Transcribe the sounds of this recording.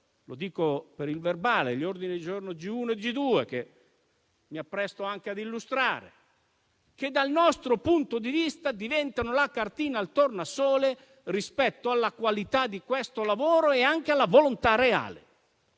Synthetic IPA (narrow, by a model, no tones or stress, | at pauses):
lo̰d̪iːkopeɾilverbaːleʎːord̪inid̪id͡ʒornod͡ʒiuːnoed͡ʒid̪uːeke | miapːɾɛst̪oaŋk̟ead̪ilːust̪ɾaːɾḛ | k̟ed̪ːalnɔst̪ɾopunt̪od̪ivist̪ad̪ivɛnt̪anolakart̪iːnaːlt̪ornasɔːle | rispɛt̪ːoalːakwalit̪ad̪ːikwest̪olavoːɾoeaŋk̟ealːavolont̪area̰ːlḛ